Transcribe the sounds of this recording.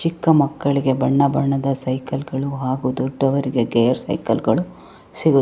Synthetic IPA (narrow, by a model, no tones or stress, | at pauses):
t͡ʃikːɐmɐkːɐɭiɡe̞bɐɳːɐbɐɳːɐd̪ɐsɐjkɐlɡɐɭuɦaːɡud̪ɔɖːɐʋɐɾiɡe̞ɡejɐɾsɐ̰jkɐlɡɐɭu | siɡu